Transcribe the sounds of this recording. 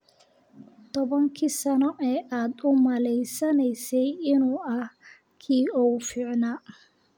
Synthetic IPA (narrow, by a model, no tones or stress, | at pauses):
t̪ʰɔβɐŋkʰiːsɐnɔʔɛːʔaːd̪ʊmɐlɛjsɐnɛjsɛjɪnuːʔɐh | kʰiːɔwfiːʕnaː